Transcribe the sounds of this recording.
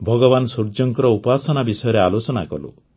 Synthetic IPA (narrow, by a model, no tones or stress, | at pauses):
bʱɔɡɔβansuɾd͡ʒɔŋkɔɾɔupasɔnabisɔjɔɾealot͡ʃɔnakɔ̰lṵ